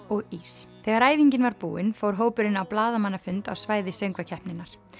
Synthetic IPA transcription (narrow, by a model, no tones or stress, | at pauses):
ɔɣiːsθɛɣaɾaːjviɲcɪnvaɾpṵːɪnfoːwɾ̥ɦoːwpʏɾɪnawplaːðamanːafʏnt̪a̰wsvaːjðɪsœɥŋkvacʰɛhpnɪnːaɾ̥